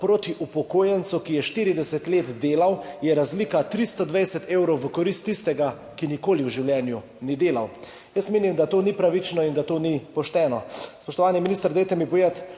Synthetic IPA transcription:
pɾoːt̪iʔupɔkoːjɛnt̪sukijɛʃt̪iɾid̪ɛsɛt̪leːt̪d̪eːlawjɛɾazliːkat̪ɾist̪ɔd̪ʋɛjsɛt̪ewɾɔwʋəkɔɾist̪ːist̪ɛɡa | kinikoːliwʒiwljɛːnju | nid̪eːlaw | jəsmeːnimd̪at̪oːnipɾaʋit͡ʃnɔind̪at̪oːnipɔʃt̪ɛːnɔspɔʃt̪ɔʋaːniminist̪əɾd̪ɛjt̪ɛmipɔjeːt̪

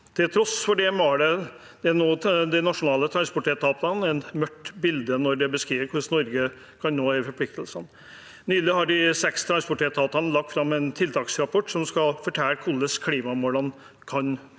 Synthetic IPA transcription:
t̪ʰɪlt̪ʰɾɔsfɔɖɛmɑɖɛ | d̪̥ɛnoːd̪ɛnɑʂʊnɑːlət̪ʰɾɑnspɔʈʰeːt̪ʰɑːt̪ɑnɛnmœʈːbɪld̪ənɔɾɖ̪ɛbəskɾiːʋəɾkʰʊsnɔɾɡə | kʰɑnnoːhæfɔɾpʰlɪk̚t̪əlsən | nyːlɪhɑɖɪsɛkst̪ʰɾɑnspɔʈʰeːt̪ʰɑːt̪ɑnəlɑk̚t̪fɾɑmːɛnt̪ʰɪlt̪ʰɑːksɾɑpʰɔʈːsɔmskɑlfɔʈʰæːɾkʰʊlːəskʰliːmɑmɔɾɑn | kʰɑn

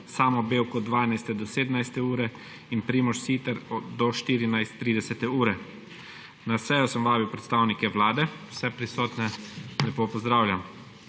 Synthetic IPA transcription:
saːmɔbeːwkɔd̪ʋaːnajst̪ɛd̪ɔseːd̪ənajst̪ɛuːɾɛ | inpɾiːmɔʃsiːt̪ɛɾɔd̪ɔʃt̪iːɾinajst̪ːɾiːd̪ɛsɛt̪ɛuːɾɛ | nasɛjɔsəmʋaːbiwpɾɛt̪st̪awnikɛwlaːd̪ɛwsɛpɾisoːt̪nɛlɛpoːpɔzd̪ɾaːwlʲjam

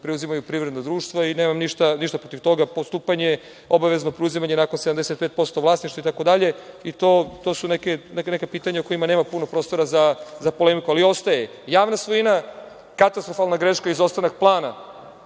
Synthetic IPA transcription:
pɾeuzimajupɾiʋvɾed̪nad̪ɾuːʃt̪ʋaineːmamniʃt̪aniʃt̪apɾo̞t̪iʋt̪o̞ɡapost̪uːpaɲe | o̞baʋe̞zno̞pɾeuzimaɲenakonsed̪amd̪eset̪pet̪po̞st̪o̞ʋlˠaːsniʃt̪ait̪ako̞d̪aʎe̞it̪o̞ːt̪o̞sunekenene̞kapiːt̪aɲauko̞jimaneːmapunopɾost̪o̞ɾazazapo̞le̞mikualio̞st̪aje | jaːʋnasʋojina | kat̪ast̪ɾofalˠnaɡɾe̞ʃkaizo̞st̪anak̚plˠaːna

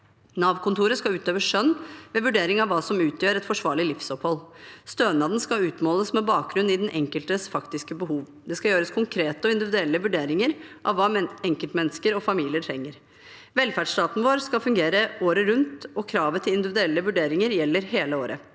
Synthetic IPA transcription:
nɑːʋkʰʊnt̪ʰuːɾəskɑʉːt̪øːʋəʂœnːʋɛʋʉɖeːɾɪŋɑʋːɑːsɔmʉːt̪ʰjøːɾɛt̪fɔʂʋɑːɭɪlɪfsɔphɔlst̪øːnɑːd̪n̩skɑʉːt̪moːləsmɛbɑːk̚ɡɾʉnːɪd̪ɛnʔɛŋkəlt̪əsfɑkt̪ɪskəbəɦuːʋ | d̪ɛskɑjøːɾəskʰʊŋkʰɾeːt̪əɔɪnd̪ɪʋɪd̪ʉɛlːəʋʉɖeːɾɪŋəɾʔɑʋːɑːɛŋkəlt̪mɛnːəskəɾɔfɑmiːlɪəʈʰɾɛŋːəɾ | ʋɛlfæɖʂt̪ɑːt̪n̩ʋoːɾskɑfʉŋɡeːɾəoːɾəɾʉnt̪ɔkʰɾɑːʋət̪ʰɪlɪnd̪ɪʋɪd̪ʉɛlːəʋʉɖeːɾɪŋəɾjɛlːəɾɦeːləoːɾə̰

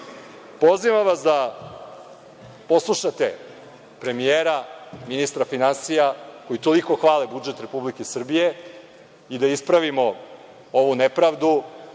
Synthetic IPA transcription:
po̞ziʋamʋasd̪a | po̞slˠuʃat̪e | pɾe̞mijeːɾaminist̪ɾafinansijako̞jit̪o̞liko̞xʋaːlebud͡ʒe̞t̪ɾe̞publikesr̩bije̞ | id̪aispɾaʋimo̞ | oʋunepɾaːʋd̪u

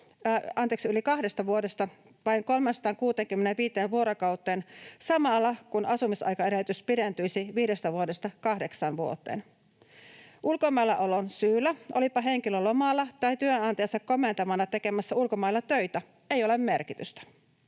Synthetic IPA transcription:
ɑnt̪eːksiylikɑhdest̪ɑʋuodest̪ɑ | ʋɑiŋko̞lmensɑt̪ɑːŋkuːt̪eːŋkymːeneʋʋiːt̪eːnʋuo̞ɾokɑwt̪ːˑeːnsɑmɑlːɑkunʔɑsumisɑ̰jkɑeɾelːyt̪yspident̪yjsiʋiːdest̪æʋuode̞st̪ɑkɑhde̞ksɑnʋuo̰t̪ːˑḛːn | ʔulkomɑilːɑ̰ʔo̞lonsyːlːæʔo̞lipɑɦe̞ŋkilølomɑlːɑt̪ɑijt̪yønɑnt̪ɑeɑnsɑkko̞ment̪ɑmɑnɑt̪e̞ke̞mæsːɑulkomɑjlːɑt̪øjt̪æ | e̞jo̞lemːe̞rkit̪yst̪æ̥

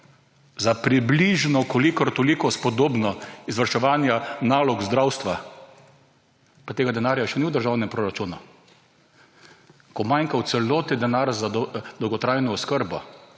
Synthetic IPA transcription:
zapɾibliʒnɔkolikɔɾt̪olikɔspɔd̪oːbnɔizʋəɾʃɛʋaːnjanaːlɔɡzd̪ɾawst̪ʋa | pat̪eːɡad̪ɛnaːɾjaʃɛniwd̪əɾʒawnɛmpɾoːɾat͡ʃunu | kɔmajŋkaw̪sɛloːt̪id̪ɛnaɾzad̪ɔwɡɔt̪ɾajnɔɔskəɾbɔ

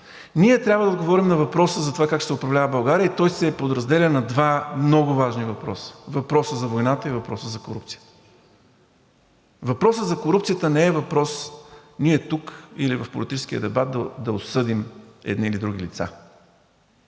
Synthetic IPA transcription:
niɛt̪ɾʲabvəd̪ɐɡovɔɾimnɐvɐpɾɔsəzɐt̪ovakak̚ʃsɛʊpɾɐvlʲavəbɐlˠɡaɾiəit̪ɔjsɛpod̪ɾɐzd̪ɛlənɐd̪vamnɔɡʊvaʒnivɐpɾɔ̰sə̥vɐpɾɔsəzɐvojnat̪əivɐpɾɔsəzɐkoɾup̚t̪sijə̥t̪ə̥ | vɐpɾɔsəzɐkoɾupt̪sijət̪ənɛɛvɐpɾɔsniɛt̪ukḭlivɐfpoʊlit̪it͡ʃɛ̥sk̟iə̰d̪ɛbat̪̚d̪əd̪ɐosɤd̪imɛ̰d̪niːlid̪ɾuɡ̟ilit̪sa̰

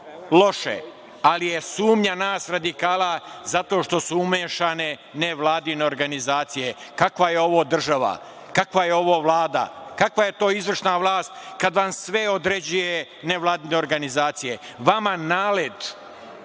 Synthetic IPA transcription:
lˠo̞ʃḛ | alije̞suːmɲanaːsɾad̪ikaːlˠazat̪o̞ːʃt̪o̞suumeːʃane̞neʋlˠaːd̪ineoɾɡanizaːt̪sije̞kakʋaje̞o̞ʋo̞ːd̪r̩ʒaʋa̰ | kakʋajeo̞ʋoːʋlˠaːd̪a̰kakʋaje̞t̪o̞ːizʋr̩ʃnaʋlˠaːst̪kad̪ʋamsʋe̞od̪ɾe̞d͡ʑuje | neʋlˠaːd̪ineo̞ɾɡanizaːt̪sije̞ | ʋamanaːled̪

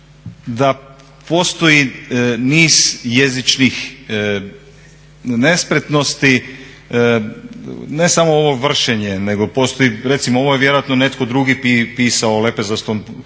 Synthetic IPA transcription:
d̪a | po̞ːst̪o̞jiniːzjezit͡ʃnix | ne̞spɾet̪no̞st̪i | ne̞samooʋo̞ʋr̩ʃeɲeneɡo̞po̞st̪o̞jiɾe̞t̪simoo̞ʋojeʋje̞ɾo̞at̪none̞t̪kod̪ɾuɡipipiːsaolepezast̪on

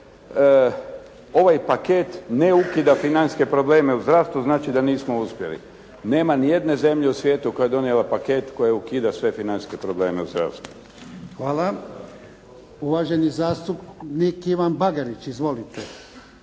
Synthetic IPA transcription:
o̞ʋajpake̞t̪ne̞ukiːd̪afinanske̞pɾo̞ble̞ːme̞uzd̪ɾast̪uznaːt͡ʃid̪aniːsmouspje̞̰lḭ | ne̞ːmanije̞d̪ne̞ze̞mʎeusʋjeːt̪uko̞jaed̪o̞nielapake̞t̪ko̞jeukiːd̪asʋe̞finanske̞pɾoble̞ːmeuzd̪ɾa̰ʋst̪ʋu | xʋaːla | uʋaʒe̞nizaːst̪upnikiʋanbaɡaɾit͡ʃizʋo̞lit̪e

